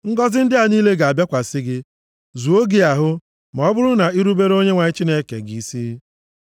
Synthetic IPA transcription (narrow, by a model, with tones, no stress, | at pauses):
ŋ̩˦ɡɔ˦zɪ˦n̩˦dɪ˦a˨niː˦le˦ɡa˨a˨bja˦kʷa˨sɪ˦ɡɪ˦ | zu˨o˦ɡi˦a˨ɦʊ˦ | m˨ɔ˨˦bʊ˦ɾʊ˦na˨i˦ɾu˦be˦ɾo˦ɲe˦ŋʷa˨ɲi˦t͡ʃi˦ne˦kḛ˨ɡi˨i˦siː˦